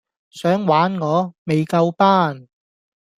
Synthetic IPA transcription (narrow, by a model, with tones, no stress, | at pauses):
sœː˨˥ŋwaː˨˥nŋɔː˨˧me˨jkɐ˧wpaː˥n